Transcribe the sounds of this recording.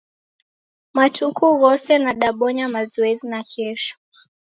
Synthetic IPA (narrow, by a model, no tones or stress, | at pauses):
matukuɣɔsɛnaɗaɓɔɲamazɔɛzinakʰɛʃɔ̥